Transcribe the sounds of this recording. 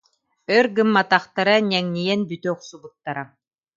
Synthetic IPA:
œɾɡɯmːat̪aχt̪aɾanʲɛŋnijɛnbyt̪œuχsubut̪ːaɾa

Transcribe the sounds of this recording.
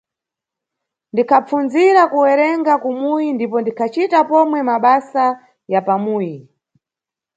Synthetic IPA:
ndikʰap͡funziɾakuwɛɾɛŋɡakumujindipɔndikʰat͡ʃitapɔmwɛmaɓasa | japamuːji

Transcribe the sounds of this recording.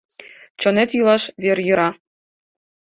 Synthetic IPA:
t͡ɕɤ̆net̪jylˠɑʃβerjɤ̆ɾɑ

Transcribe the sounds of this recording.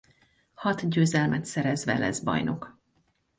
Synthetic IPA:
hɒt̪ɟøːzɛlmɛt̪sɛɾɛzʋɛ̰lɛ̰zbɒ̰jno̞k

